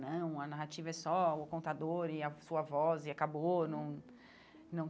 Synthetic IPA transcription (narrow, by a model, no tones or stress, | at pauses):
nɐ̃w̃ɐnaɦat͡ʃivɐɛsɔʊkõnt̪ad̪oɾɪɐsuɐvɔzɪakabonɐ̃w̃ | nɐ̃w̃